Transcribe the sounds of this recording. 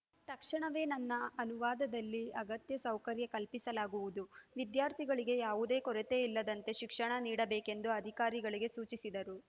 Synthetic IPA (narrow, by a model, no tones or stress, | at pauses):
t̪ɐkʂɐɳɐʋe̞ːnɐnːɐɐnuʋaːd̪ɐd̪ɐlːiɐɡɐt̪jɐsɐwkɐɾjɐkɐlpisɐlaːɡuʋud̪uʋid̪jaːɾt̪ʰiɡɐɭiɡe̞jaːʋud̪e̞ːkɔɾet̪e̞ːilːɐd̪ɐnt̪e̞ʃikʂɐɳɐniːɽɐbeːke̞nd̪uɐd̪ʱikaːɾiɡɐɭiɡe̞suːt͡ʃisid̪ɐɾu